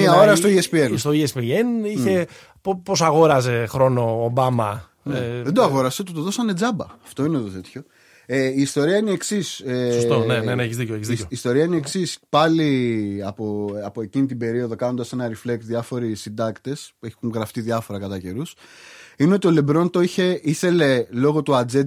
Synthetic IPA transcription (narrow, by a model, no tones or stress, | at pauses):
miɐoɾɐst̪oiespienst̪oiespieniçe̞ | pposɐɣo̞ɾɐze̞xɾo̞no̞ːbɐmɐ | neðend̪oɐɣo̞ɾɐset̪ut̪oðo̞sɐne̞d͡zɐbɐɐft̪o̞inet̪ot̪e̞t̪ço | eiːst̪o̞ɾiɐineeksissost̪oneeneçizðicoeçizoiːst̪o̞ɾiɐineeksispɐliɐpoɐpoe̞cinit̪ibe̞ɾio̞ðo̞kɐno̞nd̪ɐse̞nɐɾiflek̚t̪ðjɐfo̞ɾisind̪ɐkt̪e̞spueçuŋɣɾɐft̪iðʝɐfo̞ɾɐkɐt̪ɐce̞ɾusineo̞t̪io̞le̞bɾo̞nt̪oiçe̞iθe̞le̞lo̞ɣo̞t̪uɐd͡ze̞t̪